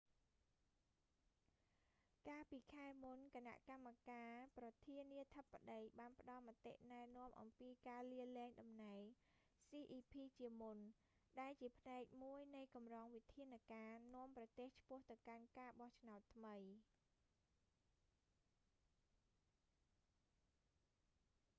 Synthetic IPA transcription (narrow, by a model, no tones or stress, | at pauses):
kaːlpiːkʰaɛmunkana̰ʔkamːakaːprɑt̪ʰiəniət̪ʰəpːaɗəjɓaːnpə̆ɗɑlmat̪ːḛʔnaɛnŏəmʔɑ̰mpiːkaːliəlɛːŋɗɑmnaɛŋ | siːʔiːpʰiːt͡ɕiəmun | ɗaɛlt͡ɕiəpʰnaɛk̚muəjnɨjkɑmrɑːŋʋit̪ʰiənakaːnŏəmprɑt̪eːht͡ɕʰpʊ̆əht̪ɨwkankaːɓɑht͡ɕʰnaɔt̪ʰːməj